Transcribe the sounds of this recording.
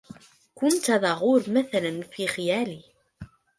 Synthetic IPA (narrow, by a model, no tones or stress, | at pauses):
kʊnt̪æðɑʁʊɾmæθælənfiχjæli